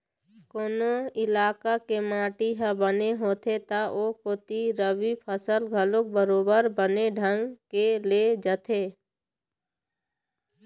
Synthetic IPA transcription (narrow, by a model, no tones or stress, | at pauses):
koːnoɪlaːkakemãːʈiɦəbəneɦoːt̪ʰet̪aʔokot̪iɾəbipʰəsəlɡʱəlõk̚bəɾoːbəɾbəneɖʱə̃ŋɡkeled͡ʒət̪ʰeː